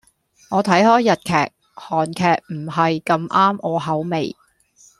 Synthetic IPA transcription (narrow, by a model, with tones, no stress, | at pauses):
ŋɔː˨˧t̪ʰɐ˨˥jhɔː˥jːɐ˨t̚kʰɛː˨˩k̚ | hɔː˨˩nkʰɛː˨˩k̚m̩˨˩ɦɐ˨jkɐ˧mʔaː˥mʔɔː˨˧ɦɐ˨˥wme˨j